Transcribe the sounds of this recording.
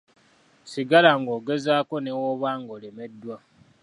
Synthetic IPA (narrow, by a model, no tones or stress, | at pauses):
siɡalaŋɡoːɡezaːkonewoβwaːŋɡoːlemedːwa